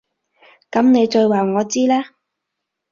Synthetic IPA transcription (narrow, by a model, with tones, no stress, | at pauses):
kɐ˨˥mne˨˧jt͡ʃɵ˧ɥwaː˨˩wŋɔː˨˧t͡siː˥lɛː˥